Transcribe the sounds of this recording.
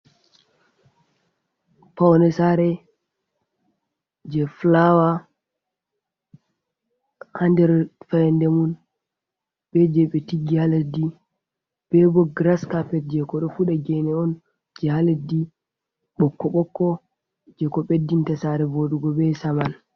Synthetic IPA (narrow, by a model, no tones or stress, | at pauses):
pawnɛsaɾɛ | d͡ʒɛflawa | handɛɾfajndɛmun | ɓɛd͡ʒɛɓɛtiɡihaledi | b̥ɛbɔɡɾaskapɛt̚d͡ʒɛkɔɗɔfuɗaɡɛnɛɔn | d͡ʒɛhaledi | ɓɔkːɔɓɔkːɔ | d͡ʒɛkɔɓedːintasaɾɛvoɗuɡɔbɛsaman